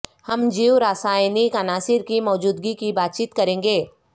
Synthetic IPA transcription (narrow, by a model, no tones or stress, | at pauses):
hɐmd͡ʒiːwɾaːsaːjnikanaːsɪɾkimɔːd͡ʒuːd̪ɡikibaːt̪̚t͡ʃiːt̪kɐɾẽːŋɡeː